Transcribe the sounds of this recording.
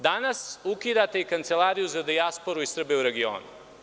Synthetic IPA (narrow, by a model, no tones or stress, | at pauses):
d̪anasukid̪at̪eikant̪se̞lˠaːɾijuzad̪iaspo̞ɾuisr̩beuɾe̞ɡio̰ːnṵ